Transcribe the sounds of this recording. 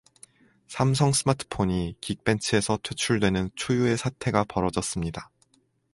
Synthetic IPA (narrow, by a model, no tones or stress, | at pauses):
sʰamsʰʌŋs͈ɯmatʰɯ̥pʰoɲikik̚p͈e̞nt͡ɕʰɯe̞sʰʌtʰwe̞t͡ɕʰuɭdwe̞nɯnt͡ɕʰujue̞sʰatʰe̞ɡapʌɾʌd͡ʑʌs͈ɯmɲida